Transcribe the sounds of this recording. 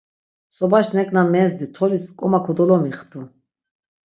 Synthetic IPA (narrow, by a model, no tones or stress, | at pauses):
sɔbaʃnɛkʼnamɛːzd̪it̪ʰɔliskʼɔmakʰɔd̪ɔlɔmiχt̪ʰu